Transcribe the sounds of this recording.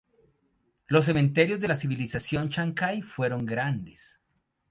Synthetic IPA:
lo̞s̬ːe̞mẽnt̪e̞ɾjo̞zðe̞lasiβilisasjo̞nt͡ʃaŋkajfwe̞ɾo̞ŋɡɾand̪es

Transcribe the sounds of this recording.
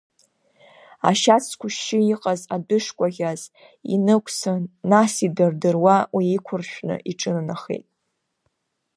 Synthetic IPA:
a̰ʃat͡sʰkʷʰʊʃɪiqʼazadʊʂkʷʼaɣʲaz | ḭnɨkʷʼʰsɨnasidɨrdɨrwawiːkʷʰʊrʃᶣnɨ̰ʔiʈ͡ʂʼɨnanaχḛjtʼ

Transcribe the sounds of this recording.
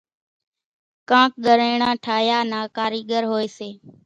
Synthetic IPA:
kãːk̚ɠəɾeːɳãːʈʰaːjaːnaːkaːɾiːɠəɾɦoːeːseː

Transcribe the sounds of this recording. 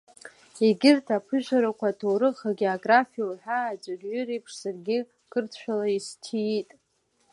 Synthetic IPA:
eɡʲɪrtʰapʰɨʒʷᶣaɾakʷʰatʰoɾɨχaɡʲioaɡrafijowħaːd͡ʒʷʼaɡʲɥʊɾejpʰʂsarɡʲɪ | kʰɨrtʰʃʷᶣalaistʰiːtʼ

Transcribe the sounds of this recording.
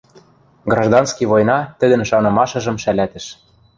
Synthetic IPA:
ɡrɑʒd̪ɑnskiβojnɑt̪ə̆d̪ɘ̆nʃɑnɤ̆mɑʃɤ̆ʒɤ̆mʃælæt̪ɘ̆ʃ

